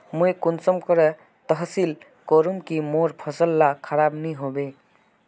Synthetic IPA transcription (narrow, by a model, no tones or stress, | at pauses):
mojkunsɔmkɔɾɛ | t̪ɔɦsil | kɔɾumkimoɾpʰɔsəlːakʰaɾabniɦobe